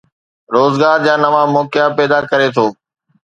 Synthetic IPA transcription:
ɾoːzɡaːɾd͡ʑãːnɐʋãːmɔːkɪjapeːd̪aːkɐɾet̪ʰoː

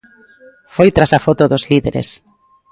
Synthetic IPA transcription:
fojt̪ɾasafot̪oðʊzliðeɾḛs

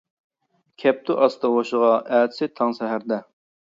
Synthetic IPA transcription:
kʲʰɛp̚t̪ʰuʔɑst̪ɑwoʃəʁɑʔæːt̪ʰɪ̥sɪt̪ʰɑŋsɛɦæɾd̪ɛ

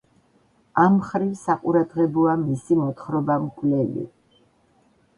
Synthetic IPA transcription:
amχɾivsaqʼuɾad̪ʁɛbɔamisimɔt̪χɾɔbamkʼlɛlḭ

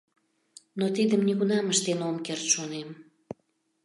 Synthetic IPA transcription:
not̪id̪əmnʲiɣunɑməʃt̪enomkert̪ʃonem

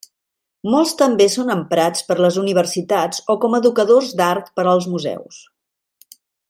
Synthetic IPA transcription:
mɔlˠst̪əmbesonəmpɾat͡spəɾləzuniβ̞ərsit̪at͡sɔkɔməðukəðozd̪art̪pəɾəlˠzmuzɛ̰ws

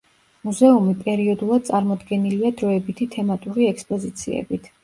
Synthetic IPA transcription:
muzɛumipʼɛɾiɔd̪ulˠad̪̥̚t̪sʼaɾmɔd̪ɡɛniliad̪ɾɔɛbit̪ʰit̪ʰɛmat̪ʼuɾiɛkspʼɔzit̪sʰiɛ̰bit̪ʰ

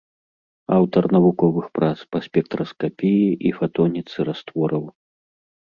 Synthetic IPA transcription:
awt̪ɐrnɐvukɔvɨxpɾat̪spɐsʲpʲɛkt̪ɾɐskapʲijiʔifat̪ɔnʲit̪sɨɾast̪vɔɾɐw

